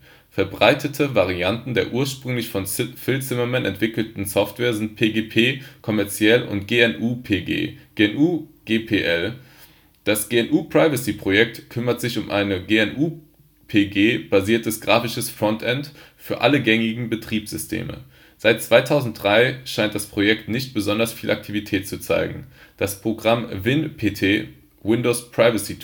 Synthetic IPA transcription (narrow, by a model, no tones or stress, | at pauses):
fɛɐbʁaɪtʰətʰəvaʁ̞iantn̩deːɐʔuːɐʃpʁ̥ʏŋlɪçfɔnfɪlt͡sɪmɐmɛnʔɛ̰ntv̥ɪkl̩tn̩sɔftv̥ɛːɐzɪnt̚pʰeːɡeːpʰeːkʰɔmɛɐt͡sjɛlʊ̰ntɡ̥eːɛnʔuːpʰeḛːɡ̥eːɛnʔuːɡ̥eːpʰeːʔɛl | d̥asɡ̥eːɛnʔuːpʁ̥aɪvəsipʁ̥ojɛk̚tkʰʏmɐtz̥ɪçʊmʔa̰ɪnəɡeːɛnʔuː | pʰeːɡeːb̥aziːɐtʰəsɡ̥ʁaːfɪʃəsfʁ̥ɔntʰʔɛntfyːɐʔaləɡɛŋɪɡŋ̩bətʁ̥iːpsz̥ʏstʰḛːmə̰ | z̥aɪt̚t͡sv̥aɪtʰaʊzn̩t̚d̥ʁaɪʃaɪnt̚d̥aspʁ̥ojɛktnɪçt̚b̥əzɔndɐsfiːlʔa̰k̚tʰivitʰɛːtt͡sut͡sa̰ɪɡŋ̩d̥aspʁ̥oɡʁamvɪnpʰeːtʰeː | wɪndospʁ̥aɪvəsi